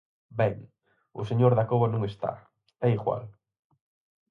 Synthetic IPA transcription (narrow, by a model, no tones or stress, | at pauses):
bɛŋ | ʊseɲoɾðakoβanõŋest̪a̰ | ɛjɣwa̰l